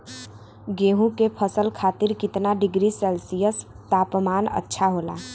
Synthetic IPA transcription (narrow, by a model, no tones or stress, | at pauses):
ɡeːɦũkepʰəsəlkʰaːt̪ɪɾkɪt̪naɖɪɡɾisɛːlsijəs | t̪aːpmaːnə̰tːʃʰaɦoːla̰